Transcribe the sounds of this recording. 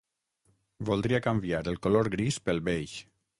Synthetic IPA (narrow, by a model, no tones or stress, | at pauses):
bolˠd̪ɾiakambjaɾəlˠkoloɾɡɾispəlˠβeʎʃ